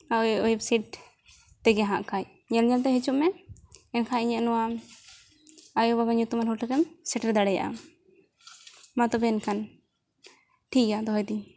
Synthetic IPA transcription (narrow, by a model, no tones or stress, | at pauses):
aɔjɛpsiʈ̚ | t̪ɛɡɛɦãʔkʰaj | ɲɛlɲalt̪ɛɦɛt͡ʃuʔmɛɛnkʰaɲɛʔnɔwam | ajɔbabaɲut̪ɔmaɾɦuʈʰakɛmsɛʈɛɾd̪aɽɛja̰ʔa̰ | mat̪ɔbɛɛnkʰan | ʈʰikjad̪ɔɦɔjd̪i